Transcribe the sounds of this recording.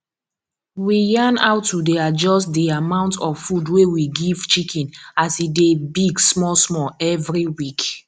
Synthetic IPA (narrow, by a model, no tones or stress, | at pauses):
wijãna̰ʊtːudead͡ʒɔstdiamãʊ̃ntɔv̥fudwewiɡiv̥t͡ʃikʰɛ̃nasidebiɡsmɔsmɔɛvɹiwik